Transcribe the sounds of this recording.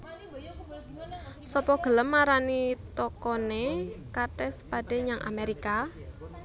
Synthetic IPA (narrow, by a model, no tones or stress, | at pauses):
sɔpɔɡ̥ələmːaɾanit̪ɔkɔnekaʈɛspaɖ̥eɲaŋʔa̰meɾika